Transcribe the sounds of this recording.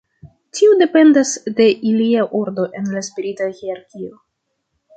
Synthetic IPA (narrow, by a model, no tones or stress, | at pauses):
tiude̞pe̞ndasde̞ʔiliaʔuɾdo̞ʔe̞nlaspiɾitaɣeaɾkʲio